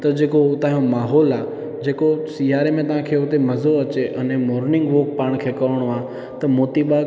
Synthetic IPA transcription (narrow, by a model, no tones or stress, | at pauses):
t̪ɐd͡ʑeːkot̪ãːɦijõmaːɦɔːlaː | d͡ʑeːkosijaːɾemẽt̪ɐʋ̤ãkʰeːʊt̪emɐzoɐt͡ɕeʔənemoːɾnɪ̃ŋɡʋoːk̚paːɽ̃kʰeːkɐɾəɽ̃oaː | t̪ɐmoːt̪ibaː